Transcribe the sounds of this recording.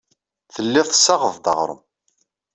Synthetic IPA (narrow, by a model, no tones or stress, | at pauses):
θəlːiðθə̥sːɑʁəðd̪ɑ̰ʁɾˤə̰m